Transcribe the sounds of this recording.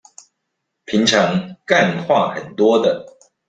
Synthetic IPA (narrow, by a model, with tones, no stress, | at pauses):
pʰi˨˦ŋʈ͡ʂʰɑ˧˦ŋka˥˧nxwa˥˨xə˨˩nt̪wɔ˦d̪ə˨